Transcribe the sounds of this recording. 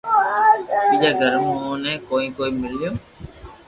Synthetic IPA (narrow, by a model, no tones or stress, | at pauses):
bid͡ʒaːɡəɾmoːnẽːkoːĩːkoːiːmɪljoː